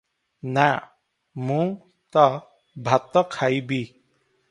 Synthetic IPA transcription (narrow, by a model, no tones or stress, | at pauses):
na | mũ | t̪ɔ | bʱat̪ɔkʰajbi